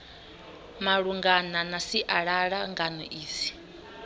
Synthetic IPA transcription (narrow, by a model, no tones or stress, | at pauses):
maɺuŋɡananasiʔaɺaɺaŋɡanɔʔiːsi̥